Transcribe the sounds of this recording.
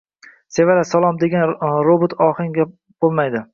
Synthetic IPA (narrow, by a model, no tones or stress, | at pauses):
se̞valasalˠɒmd̪e̞ɡʲanɾobot̪ʰɒhɪŋɡʲa | b̥olˠmajd̪ɪ